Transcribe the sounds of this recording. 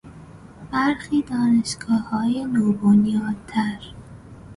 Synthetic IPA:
b̥æɾxiːd̪ɒːneʃɡ̥ɒːhɒːjenɒːbonjɒːd̪̚t̪ʰæɾ

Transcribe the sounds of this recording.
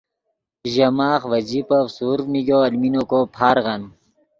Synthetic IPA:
ʑɐmaːχʋɐd͡ʑipɐfsuːɾniɡoːɐlminokopʰaːɾɣɐn

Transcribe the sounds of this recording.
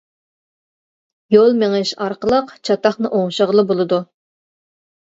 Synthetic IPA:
jolˠmeŋɪʃɑɾqəlˠəqt͡ʃʰɑt̪ɑχnɨʔoŋʃəʁəlˠəbolˠɨd̪u

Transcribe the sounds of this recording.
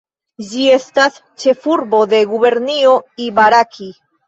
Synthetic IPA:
d͡ʒie̞stas | t͡ʃe̞fuɾbo̞d̪e̞ɡuβe̞ɾnio̞ibaɾakʰi

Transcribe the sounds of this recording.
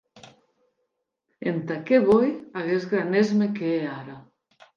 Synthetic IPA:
ent̪akeβojaɣezɣɾanezmekeeaɾa

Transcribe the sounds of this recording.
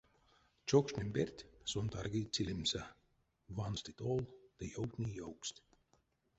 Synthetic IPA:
t͡ʃokʃnʲimʲbʲerʲt̪ʲsunt̪ɑrɡiːt͡sʲilʲimsa | vɑnsʲt̪it̪olˠd̪̥ejowt̪nʲijowksʲt̪ʲ

